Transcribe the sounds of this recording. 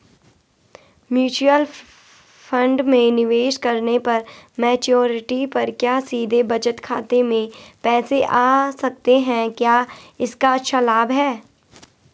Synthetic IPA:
mjuːt͡ʃuəl | fʰɐ̃ɳɖmẽnɪʋeːʃkɐɾnepɐɾmɛːt͡ʃoːɾɪʈipɐɾkjaːsiːd̪ʱebɐt͡ʃət̪kʰaːt̪emẽpɛːseʔaːsɐk̚t̪eɦɛ̃kjaːɪskaɐtːʃʰalaːbɦɛː

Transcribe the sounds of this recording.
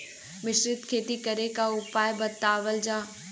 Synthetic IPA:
mɪʃɾɪt̪kʰeːt̪ikɐɾekaʊpaːjbɐt̪aːʋəld͡ʑaː

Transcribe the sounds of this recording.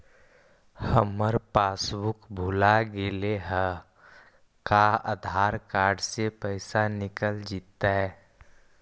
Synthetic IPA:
həməɾpaːsbʊkbʱʊlaɡeleɦə | kaə̰d̪ʱaːɾkaːɾɖsepəɪsanɪkəld͡ʒiːt̪ːaɦɛː

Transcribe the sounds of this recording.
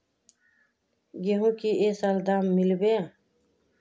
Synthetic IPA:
ɡeɦũːkiːʔeːsəld̪aːmːɪlbeː

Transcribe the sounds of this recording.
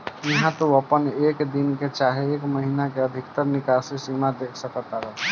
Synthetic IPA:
jɐɦãt̪oəpəneːkd̪inket͡ʃaːɦeeːkməɦiːnakeəd̪ʱɪkt̪əɾnɪkaːsesimad̪eːkʰsəkt̪aɦɛ

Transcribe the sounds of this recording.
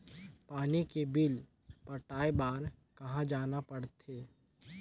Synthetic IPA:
paːnikebɪl | pɐʈaːebaːɾkɐɦãd͡ʒaːnapɐɽt̪ʰeː

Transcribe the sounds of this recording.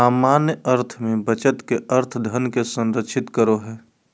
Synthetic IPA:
aːmaːnjəəɾt̪ʰmẽbət͡ʃət̪keəɾt̪ʰd̪ʱənkesə̃nɾəkʃʰɪt̪kəɾoɦɛː

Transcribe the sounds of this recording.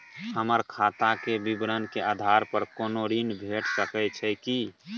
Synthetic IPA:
ɦhəməɾkʰat̪akebibɾənkeʔad̪ʱaɾpəɾkonoɾinbʱeʈsəkət͡ʃʰɛki

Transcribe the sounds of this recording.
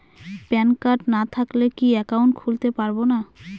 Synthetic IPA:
pɛnkaɾʈnat̪ʰaklekiɛkawɳʈkʰult̪epaɾbona

